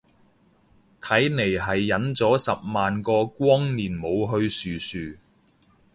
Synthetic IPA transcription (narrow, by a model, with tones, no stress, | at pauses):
t̪ʰɐ˨˥jne˨˩jɦɐ˨jːɐ˨˥nt͡sɔː˨˥sɐ˨p̚maː˨nkɔː˧kʷɔː˥ŋniː˨˩nmo˨˧wɦɵ˧ɥsyː˨syː˨